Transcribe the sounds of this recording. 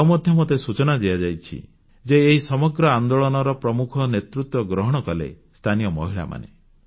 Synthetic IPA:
ɔmɔd̪ʱjɔmot̪esut͡ʃɔnad͡ʒijad͡ʒajt͡ʃʰḭ | d͡ʒeːɦisɔmɔɡɾɔand̪oɭɔnɔɾɔpɾɔmukʰɔnet̪ɾut̪wɔɡɾɔɦɔɽ̃ɔkɔlḛ | st̪ʰanijɔmɔ̰ɦiɭa̰ma̰nḛ

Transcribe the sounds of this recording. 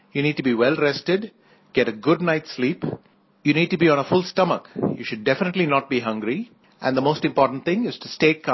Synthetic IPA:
juniːɖ̚ʈubiwɛlˠɾɛsʈɪɖ | ɡ̥ɛʈəɡʊɖ̚naɪʈsliːp | juniːɖ̚ʈubiɔ̃ːnəfʊlsʈʌməkjṵʃʊɖ̚ːɛfɪnəʈlinɔʈ̚biɦʌ̃ŋɡɾi | ʔæ̰̃nd̪əmoːsʈɪ̃mpɔːʈn̩t̪ʰɪ̃ŋɪz̥ʈusʈeːkː

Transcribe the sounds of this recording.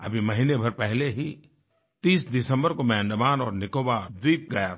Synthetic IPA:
ɐ̰bʱimɐɦinebʱɐɾpɛɦleɦi | t̪iːsd̪ɪsə̃mbəɾkomɛ̃ːnd̪əmaːnɔːɾnɪkobad̪iːp̚ɡɐja

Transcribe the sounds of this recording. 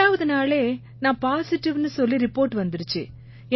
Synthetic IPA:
aːʋɐðɯnaːleː | nãːpaːsɪʈːɪʋnɯsɔlːiɾɪpːoːɾʈʋɐnd̪ɪɾɯt͡ʃːɯ | ɛ

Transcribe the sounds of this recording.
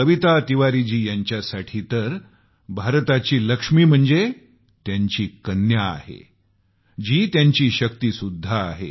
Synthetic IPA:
əʋit̪at̪iʋaɾid͡ʑiːjaɲt͡ɕjasaʈʰiːt̪əɾ | bʱaɾt̪at͡ɕiːləkʂmiːm̤əɳd͡ze | t̪jaɲt͡ɕiːkənja̰ːɦḛ | d͡ʑiːt̪jaɲt͡ɕiːɕək̚t̪iːsud̪ʱːaːɦḛ

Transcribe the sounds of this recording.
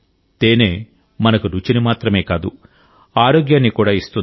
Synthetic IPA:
d̪̥eːne̞ː | mɐnɐkuɾut͡ʃinimaːt̪ɾɐme̞ːkaːd̪u | aːɾoːɡjaːnːikuːɽaːist̪u

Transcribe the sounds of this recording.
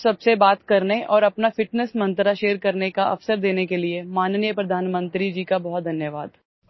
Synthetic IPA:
sɐbsebaːt̪kɐɾneʔɔːɾɐpnafɪʈnəsmɐ̃nt̪ɾaʃeːɾkɐɾnekaʔɐ̰fsəɾd̪eːnekeliemaːnnjəpɾɐd̪ʱaːnmə̃nt̪ɾid͡ʒiːkabɐɦʊt̪̚d̪ʱɐnjəʋaːd̪

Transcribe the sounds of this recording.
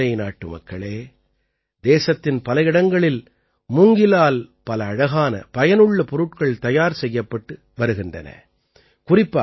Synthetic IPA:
ɐɪnaːʈːɯmɐ̰kːɐɭeː | d̪eːsɐt̪ːɪnpɐlɐjɪɽɐŋɡɐɭɪl | mʊŋɡɪlaːlpɐlɐːɻɐɣaːnɐ̰pɐjɐnɯɭːɐpɔɾɯʈkɐɭt̪ɐjaːɾsɛjːɐpːɐʈːɯ | ʋɐɾɯɣɪndrɐ̰nɐ̰ | kʊrɪpːaː

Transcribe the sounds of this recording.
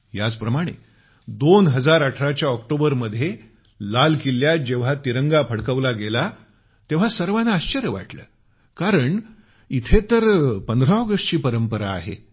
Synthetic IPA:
jat͡spɾəmaɽ̃ḛ | d̪onɦəd͡zaɾəʈʰɾat͡ɕjaɔkʈobəɾməd̪ʱːje | lalkilːjad͡ʑeʋ̤at̪iɾəŋɡapʰəɽkəʋlaɡela | t̪eʋ̤asəɾʋanaːɕt͡ɕəɾjəʋa̰ʈlə̰ː | kaɾəɳ | it̪ʰet̪əɾpənd̪ʱɾaɔɡəʂʈt͡ɕiːpəɾəmpəɾa̰ːɦḛ

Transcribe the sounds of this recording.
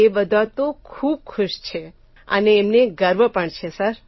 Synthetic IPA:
ebəd̪ʱat̪okʰub̚kʰʊʃt͡ʃʰe | ə̰neːmneɡəɾʋəpəɳt͡ʃʰesəɾ

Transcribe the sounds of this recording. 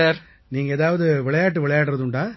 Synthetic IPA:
aːɾ | niːŋɡɐɛːðaːʋɐðɯʋɪɭɐjaːʈːɯʋɪɭɐjaːʈɯɾɐðʊɳɖaː

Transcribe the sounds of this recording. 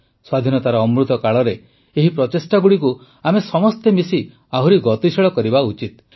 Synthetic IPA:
swad̪ʱinɔt̪aɾɔːmɾut̪ɔkaɭɔɾe | eɦipɾɔt̪esʈaɡuɽiku | amesɔmɔst̪emisi | aɦuɾiɡɔt̪isɔɭɔkɔɾibaut͡ʃit̪

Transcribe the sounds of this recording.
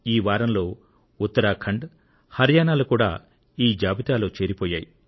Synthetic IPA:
iːʋaːɾɐmlo̞ː | ut̪ːɐɾaːkʰɐɳɖ | hɐɾjaːnaːlukuːɽa̰ː | iːd͡ʒaːbit̪aːlo̞ːt͡ʃe̞ːɾipoːjaːji

